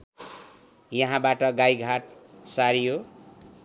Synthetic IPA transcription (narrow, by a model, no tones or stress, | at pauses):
jʌɦãbaʈʌɡajɡʱaʈ̚saɾijo